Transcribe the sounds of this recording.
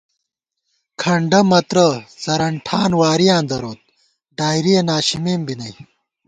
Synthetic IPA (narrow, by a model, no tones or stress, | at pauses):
kʰɐɳɖɐmɐt̪ɾɐsɐɾɐɳʈʰaːnwaːɾijãːnd̪ɐɾoːt̪̚ | ɖaːjɾijenaːɕimeːmbinɐj